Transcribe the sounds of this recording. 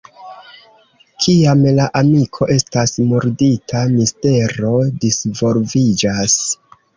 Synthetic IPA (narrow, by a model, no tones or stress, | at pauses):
kʰiamlaʔamikʰo̞ʔe̞stasmuɾditʰamiste̞ɾo̞disvo̞ɾvid͡ʒas